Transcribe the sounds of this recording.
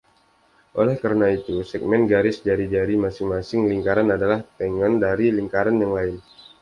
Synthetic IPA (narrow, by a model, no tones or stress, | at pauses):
ʔolɛhkaɾnait̪usɛɡ̚mɛnɡaɾɪsd͡ʒaɾid͡ʒaɾimasɪŋmasɪŋliŋkaɾanadalaht̪əŋandaɾiliŋkaɾanjaŋlaɪn